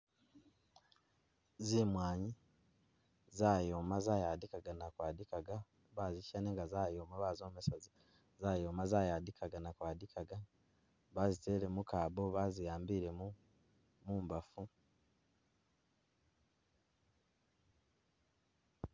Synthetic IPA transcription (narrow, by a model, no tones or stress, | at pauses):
zimwaːɲi | zaːjo̞ːmazaːjaːdikaɡanakwaːdikaɡa | βaziʃaneːŋɡazaːjoːmaβaːzo̞ːmesaz | zaːjo̞ːmazaːjaːdikʰaɡanakwaːdikʰaɡa | βazite̞le̞mukaːbo̞βazijaːmbiːɾe̞mu | muːmbafu